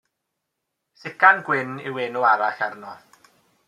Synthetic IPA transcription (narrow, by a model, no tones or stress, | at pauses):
sɪkanɡwɪnɪ̰wɪnuaɾaɬarnɔð